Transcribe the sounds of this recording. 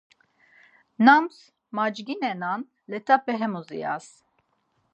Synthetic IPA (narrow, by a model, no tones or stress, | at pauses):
nams | mad͡ʒɡinɛnan | lɛt̪ʰapɛɦɛmuzḭja̰s